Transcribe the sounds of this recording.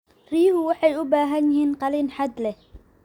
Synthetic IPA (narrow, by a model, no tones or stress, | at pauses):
riːhʊwɑħɑjʊbaːɦɐnɪɦiːnqɑliːnħad̪lɛh